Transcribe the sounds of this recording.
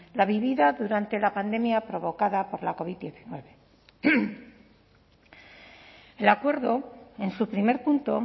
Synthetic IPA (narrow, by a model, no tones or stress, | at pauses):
laβiβiðaðuɾant̪e̞lapand̪e̞mjapɾo̞βo̞kaðapo̞ɾlako̞β̞iðd̪je̞θinwe̞βe̞ | elakwe̞ɾðo̞e̞nsupɾime̞ɾpunt̪o̞